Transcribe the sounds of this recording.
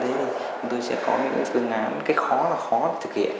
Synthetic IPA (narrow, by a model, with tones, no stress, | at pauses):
t̪ʰe˨˦˧ | t̪o˧jsɛ̰˧˥kɔ˨˦mi˧ənɲɨ̰˧˥ŋfɨ˧əŋːaː˧˩nkaː˨˦xɔ˨˦laː˨˩xɔ˨˦lə˧˩t̪ʰɨ˨˩kḭ˨˧˨əʔ